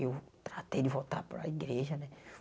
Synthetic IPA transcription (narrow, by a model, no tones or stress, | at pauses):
ewt̪ɾat̪ejd̪ɪvot̪a̰ɾpɾɐ̰iɡɾeʒɐnɛ